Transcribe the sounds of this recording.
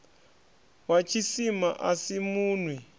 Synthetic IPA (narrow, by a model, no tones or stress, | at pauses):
wat͡ʃʰisima̰ʔasimuːnwɛ